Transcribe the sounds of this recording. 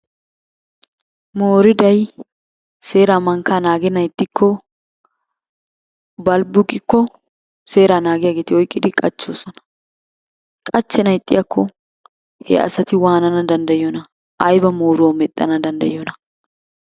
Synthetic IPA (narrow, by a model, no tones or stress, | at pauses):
moːɾɪd̪ɐj | se̞ːɾaːmɐŋkːaːnaːɡɛnɐjt̪ʼːɪkʰːɔ | bɐlbʊkʼːɪkːɔ | se̞ːɾaːnaːɡɪjaːɡeːt̪ɪɔjkʼːɪd̪ɪkʼɐt͡ʃːoːsɔnɐ̥ | kʼɐt͡ʃːɛnɐjt̪ʼːɪ̰jɐkːɔ | hɛ̰ʔɐ̰sɐt̪ɪwaːnɐnɐd̪ɐnd̪ɐjɪonɐ | ʔɐjbɐmoːɾwomɛt̪ʼːɐ̰nɐd̪ɐnd̪ɐ̰jonɐ